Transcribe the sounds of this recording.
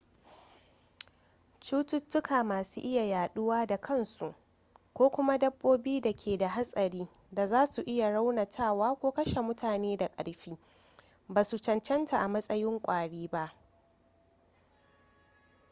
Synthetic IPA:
t͡ʃuː˦tʊ˦tːʊ˦kaː˨maː˨suː˦ʔɪ˦ja˨jaː˨ɗʊ˦waː˦da˨kʰɐ˦nsu˨ʔ | kʷoː˦kʷʊ˦ma˦dɐ˦bːoː˦biː˦da˨kʲʰeː˨da˨ɦa˦sʼɐ˨ɽiː˦ | da˨zaː˦su˨ʔɪ˦ja˨ɽa˦wna˨tʰaː˦˨waː˦kʷoː˦kɐ˦ʃe˨mʊ˦tʰaː˨neː˦da˨kʼɐ̰˨ɽɸiː˦ | baː˨su˨t͡ʃɐ˨nt͡ʃɐ˦nta˨ʔa˨mɐ˦sʼɐ˦jɪ˦ŋkʷʼaː˨ɽiː˦ba˦ʔ

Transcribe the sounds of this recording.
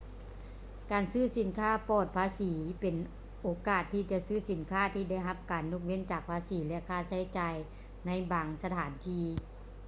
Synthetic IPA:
kaː˨˩nsɯː˥˨si˨˦nkʰaː˥˨pɔː˧˩t̪̚pʰaː˧˥˨siː˩˨˦pe˨n | ʔoː˨˧˦kaː˧˩t̪ʰːiː˧˩t͡ɕa˧˨sɯː˥˩˨si˨˩˦nkʰaː˥˩t̪ʰiː˧da˥˩jɦa˧˥p̚kaː˨˩nːu˧k̚wi˧˥˨nt͡ɕaː˨˩k̚pʰaː˧˥siː˨˦lɛ˧ʔkʰaː˧˩sa˧˥˩jt͡ɕaː˨j | na˧˥jbaː˨ŋsa˧t̪ʰaː˨˩˦nt̪ʰiː˧˩

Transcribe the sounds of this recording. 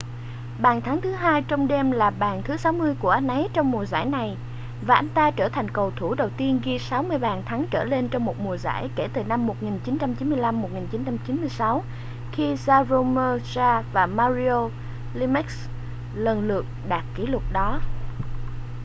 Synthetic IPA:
ɓaː˨˩nt̪ʰa˨˦ŋt̪ʰɨ˨˦ɦaː˧jt͡ɕɔ˧wŋ͡mɗɛ˧mlaː˨˩ɓaː˨˩nt̪ʰɨ˨˦sa˨˦wmɨ˧əjku˧˩əʔa˧˦nʔə˨˦jt͡ɕɔ˧wŋ͡mmu˨˩əza̰ː˧˩jna˨˩j | vaː˨˩ʔa˧nt̪aː˧t͡ɕəː˧˩t̪ʰa˨˩jŋ̟kə˨˩wt̪ʰu˧˩ɗə˨˩wt̪i˧ənɣi˧sa˨˦wmɨ˧əjɓaː˨˩nt̪ʰa˨˦ŋt͡ɕəː˧˩le˧nt͡ɕɔ˧wŋ͡mmo˨˩t̚mu˨˩əza̰ː˧˩jke˧˩t̪ɨ˨˩na˧mːo˨˩t̚ŋi˨˩nt͡ɕi˨˦nt͡ɕa˧mt͡ɕi˨˦nmɨ˧əjla˧mːo˨˩t̚ŋi˨˩nt͡ɕi˨˦nt͡ɕa˧mt͡ɕi˨˦nmɨ˧əjsa˨˦w | xi˧zaː˧zo˧məː˧zaː˧vaː˨˩maː˧zi˧o˧ | li˧mi˦˥k̚s | lə˨˩nlɨ˨˩ək̚ɗaː˨˩t̚ki˨˦lʊ˨˩t̚ɗɔ˨˦

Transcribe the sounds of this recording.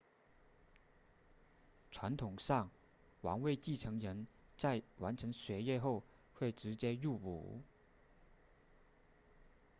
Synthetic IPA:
ʈ͡ʂʰwa˧˥nt̪ʰʊ˨˩ŋʂɑ˥˩ŋ | wɑ̰˧˥ŋwe˥˧ɪt͡ɕi˥˩ʈ͡ʂʰɤ˧˥ŋɻə˧˥nt͡sa˥˩ɪwa˧˥nʈ͡ʂʰɤ˧˥ŋɕɥɛ˧˥jɛ˥˧xo˥˧ʊ | xwe˥˩ɪʈ͡ʂɻ̩˧˥t͡ɕjɛ˥ju˥˩ṵ˨˩

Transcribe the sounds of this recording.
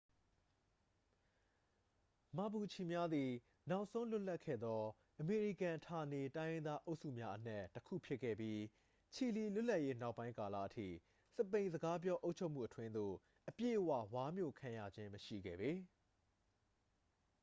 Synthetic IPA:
ma˨bu˨t͡ɕʰi˨mja˦d̪i˨ | na˦ʊʔsʰõ˦ʊ̃lʊ˦ʔla˦ʔkʰːɛ̰˦˨d̪ɔ˦ | ʔəme˨ɹi˨kã˨tʰa˨ne˨tã˦ɪjɪ̃˦nd̪a˦ʔo˦ʊʔsṵ˦˨mja˦ʔən̥ɛ˦tːəkʰṵ˦˨pʰjɪ˦ʔkʰːɛ̰˦˨bji˦ | t͡ɕʰi˨li˨lʊ˦ʔla˦ʔje˦na˦ʊpːã˦ɪ̃ŋka˨la̰˦˨ʔətʰḭ˦˨ | sə˦˨pẽ˨ɪ̃zəɡa˦p̬jɔ˦ʔo˦ʊʔt͡ɕʰo˦ʊʔmu˦˨ʔətʰwɪ̃˦nd̪o̰˦˨ | ʔəpjḛ˦˨ʔəwä̰˦˨wa˦mjo̰˦˨kʰã˨ja̰˦˨d͡ʑɪ̃˦məʃḭ˦˨ɡɛ̰˦˨be˨

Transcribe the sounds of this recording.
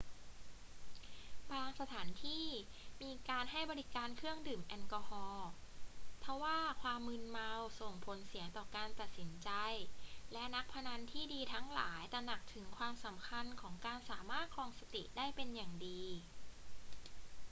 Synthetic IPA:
baː˧ŋsa˧t̪ʰaː˩˦nt̪ʰiː˥˩ | miː˧kaː˧nɦa˥˩jbɔː˧li˦˥kaː˧nkʰɯ˥˩əŋdɯː˨˩mʔɛ˧nkɔː˧hɔː˧ | pʰɔ˦˥waː˥˩kʰwaː˧mːɯ˧nma˧wso˨˩ŋpʰo˩˦nsi˩˦əŋt̪ɔː˨˩kaː˧nt̪a˨˩t̪̚si˩˦nt͡ɕa˧jlɛ˦˥na˦˥k̚pʰa˧na˧nt̪ʰiː˥˩diː˧t̪ʰa˦˥ŋla̰ː˩˦jt̪ɛː˨˩na˨˩k̚t̪ʰɯ˩˦ŋkʰwaː˧msa˩˦mkʰa˧nkʰɔː˩˦ŋkaː˧nsaː˩˦maː˥˩t̪̚kʰɔː˧ŋsa˧t̪ḭ˨˩ʔdaː˥˩jpe˧njaː˨˩ŋdiː˧

